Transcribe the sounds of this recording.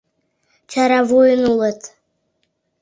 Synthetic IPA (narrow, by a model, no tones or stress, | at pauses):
t͡ɕɑɾɑvojənulˠɤt̪